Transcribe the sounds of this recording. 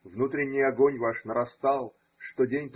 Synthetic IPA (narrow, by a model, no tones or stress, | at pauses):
vnut̪ɾʲɪnʲːɪjɐɡonʲvaʂnəɾɐst̪ɑlˠ | ʂt̪odʲenʲp